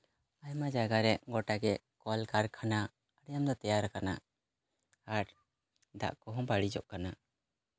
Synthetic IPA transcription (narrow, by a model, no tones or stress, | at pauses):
ajmad͡ʒaɡaɾɛʔɡɔʈaɡɛʔ | kɔlkaɾkʰana | əɽɛjamd̪ɔt̪ɛjaɾakana | aʈ | d̪a̰ʔkɔɦɔ̃baɽid͡ʒɔ̰ʔkana